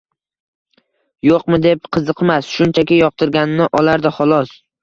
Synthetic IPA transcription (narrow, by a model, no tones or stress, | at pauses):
joqmɪd̪e̞p̚qʰɨzɨqʰmasʃʊnt͡ʃʰakʲɪjɒq̚t̪ʰɪɾɡʲanɪnɪʔɒlaɾd̪aχɒlˠɒs